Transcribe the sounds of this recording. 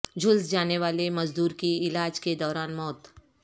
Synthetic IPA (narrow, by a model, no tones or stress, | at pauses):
d͡ʒʱʊlsd͡ʒaːneʋaːlemɐzd̪uːɾkiɪlaːd͡ʒked̪ɔːɾaːnmɔːt̪